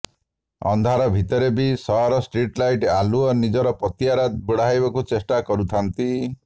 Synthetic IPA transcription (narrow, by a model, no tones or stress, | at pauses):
ɔ̰nd̪ʱaɾɔbʱit̪ɔɾebisɔaɾɔsʈɾiʈlajʈaluɔnid͡ʒɔɾɔpɔt̪jaɾad̪̚buɽaɦjbakut͡ʃesʈakɔɾut̪ʰant̪i